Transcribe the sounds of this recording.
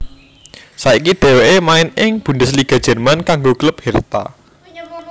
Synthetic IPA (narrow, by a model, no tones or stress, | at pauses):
saikiɖ̥e̤weʔemaɪnɪŋb̥ṳndɪsliɡ̥a̤d̥ʒ̥ɛ̤rmankaŋɡokləp̚hɛrt̪a̰